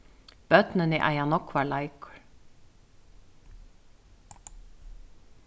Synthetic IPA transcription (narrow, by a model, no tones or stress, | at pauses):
b̥œt̪nɪnɪʔa̰janɔkvalajkɹ